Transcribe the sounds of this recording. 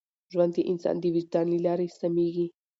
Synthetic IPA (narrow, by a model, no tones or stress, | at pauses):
ʒwand̪iʔɪnsɑ̰nd̪iwid͡ʒd̪ɑnlilɑːɾesamiɡi